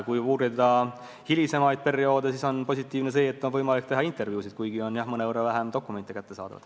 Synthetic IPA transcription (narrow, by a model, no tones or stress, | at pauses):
kujuːɾid̪ɑ | hilʲise̞mɑjd̪̥̚pe̞rio̞ːd̪esiso̞npo̞s̬ʲit̪ːˑiːvnes̬e̞ːt̪ːˑo̞nvɤjmɑlik̚ːt̪e̞ɦɑint̪ˑe̞rvjuːsid̪̥̚kujɡio̞njɑhmɤneoɾevæɦemd̪o̞kːˑume̞nt̪ːˑikæt̪ːesɑ̰ːd̪ɑvɑ̰d̪̥